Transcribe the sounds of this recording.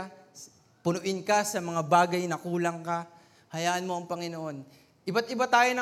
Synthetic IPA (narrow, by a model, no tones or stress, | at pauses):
pʊnʊʔɪnkɐsɐmɐŋabaːɡɐjnɐkuːlɐŋka | hɐjaːʔɐnmo̞ʔɐŋpɐŋɪnoʔo̞n | ʔɪbat̪ʔɪbat̪aːjo̞nɐ